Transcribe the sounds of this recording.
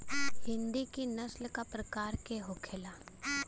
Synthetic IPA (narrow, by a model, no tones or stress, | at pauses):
hɪ̃nd̪ikinɐslkapɾɐkaːɾkeɦokʰelaː